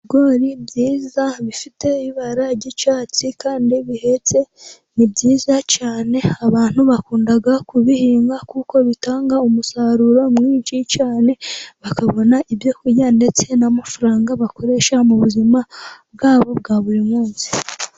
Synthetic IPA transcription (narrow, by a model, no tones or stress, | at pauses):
iɡo̞ɾibjiːzaβifitʰe̞βiβaɾaɟit͡ʃaːt͡sikaːndiβihe̞t͡se̞ | nibɟiːzacaːne̞aβaːn̥huβakuːndaɡakuβihiːŋɡakuko̞βitaːŋɡaumusaɾuɾo̞mŋiːɲʃicaːne̞βakaβo̞naʔibjo̞kujande̞t͡se̞namafuɾaːŋɡaβako̞ɾe̞ʃamuβuzimab̚ɡaːβo̞b̚ɡaːβuɾimŋuːnsi̥